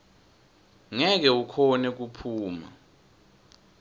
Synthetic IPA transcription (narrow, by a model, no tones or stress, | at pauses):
ŋɛk̬ɛukʰɔnɛk̬upʰuːma̰